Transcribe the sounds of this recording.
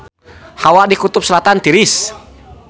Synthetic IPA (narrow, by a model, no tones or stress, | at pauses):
hawaʔdikut̪ʊp̚səlat̪ant̪iɾis